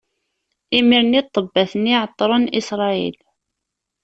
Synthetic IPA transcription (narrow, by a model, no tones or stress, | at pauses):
imiɾnit̪ˤːəbːæθənːiʕət̪ˤːɾˤənisɾˤɑḭl